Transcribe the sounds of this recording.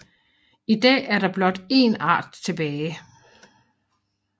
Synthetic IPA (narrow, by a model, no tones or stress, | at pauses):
id̥ɛ̰ːæɐɾ̥ɑ̈b̥lɒ̽d̥e̝ːnɑ̰̈ːd̥t͡sʰe̝b̥ɛːɪ